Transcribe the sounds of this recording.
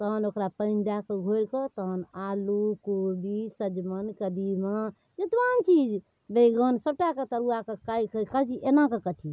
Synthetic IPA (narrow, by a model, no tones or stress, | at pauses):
t̪əɦənokɾapəɪnd̪akeɡʱoɾkət̪əɦənalukobisəd͡ʒmənkəd̪imə | d͡ʒet̪ʋant͡ʃid͡ʒ | beɡənsəb̚ʈaket̪əɾuakekajkəkəd͡ʒiʔenakekəʈʰi